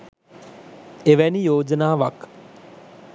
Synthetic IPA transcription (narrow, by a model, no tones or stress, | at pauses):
eʋɛnijoːd͡ʒənaːʋak